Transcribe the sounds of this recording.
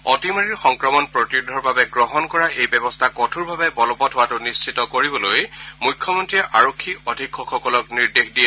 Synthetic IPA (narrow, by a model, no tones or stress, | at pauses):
ɔtimaɹiɹxɔŋkɹɔmɔnpɹotidʱɔɹbabɛɡɹɔɦɔnkɔɹaʔejbɛbɔstʰakɔtʰuɹbʱabɛbɔlɔpɔtʰowatʊnist͡ʃʰitɔkoɹibɔlojmujkʰːjɔmɔntɹiɛʔaɹokʰːiɔdʱikxɔkxɔkɔlɔkniɹdexdijɛ